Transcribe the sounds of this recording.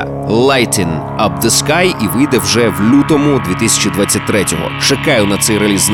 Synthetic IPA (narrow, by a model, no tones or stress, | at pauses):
lˠajt̪ɪn | ɐb̚d̪ɐskajiʋɪjd̪ɛwʒɛwlʲut̪ɔmʊd̪ʲʋʲit̪ɪsʲɐ̥t͡ʃid̪ʋat͡sʲːɐt̚ʲt̪ɾɛtʲɔɦɔ̰t͡ʃɐkɑjʊnɐt̪sɛjɾɐlʲizn